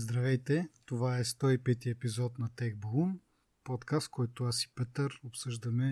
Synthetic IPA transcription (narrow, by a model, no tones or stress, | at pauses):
zd̪ɾɐvɛjt̪ɛt̪ovaɛst̪ɔipɛt̪iɛpizɔt̪nɐt̪ɛɡ̚blˠun | pɔt̪kast̪kʰɔjt̪ʊasi̥pɛt̪əɾopsɤʒd̪ɐmɛ